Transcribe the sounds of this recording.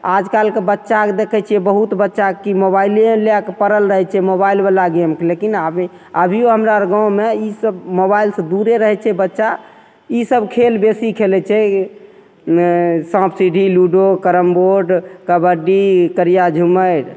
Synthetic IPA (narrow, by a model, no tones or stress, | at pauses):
ad͡ʒkalkebətːʃaked̪ekʰɛt͡ʃʰiɛbəɦut̪bətːʃakimobaileleakepəɾəlɾəɦɛt͡ʃʰɛmobailmelaɡiəmkelekinab | əbʱioɦəmɾaɾɡãʊ̃meisəbmobailsə̃d̪uɾeɾəɦɛt͡ʃʰɛbətːʃa | isəbkʰelbesikʰelɛt͡ʃʰɛ | sãbsiɖiluɖokəɾəmboɾɖkəbəɖikəɾijad͡ʒʱuməɾ